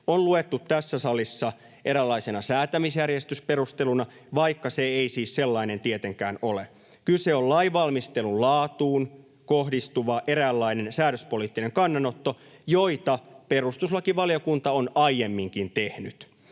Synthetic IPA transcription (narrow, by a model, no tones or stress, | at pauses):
onluet̪ːut̪tæsːæsɑlisːɑ | ʔeɾælːɑisenɑsæːt̪æmisjærjest̪ysperust̪elunɑʋɑikːɑseeisiːsselːɑinent̪iet̪eŋkæ̰ːnole | kyseollɑiʋɑlmist̪elullɑːt̪uːn | kohdist̪uʋɑʔeɾælːɑine̞nsæːɾøspoliːt̪ːineŋkɑnːɑnot̪ːo̞ | joit̪ɑperust̪uslɑkiʋɑljokunt̪ɑonɑjjemːiŋkint̪ehnyt̪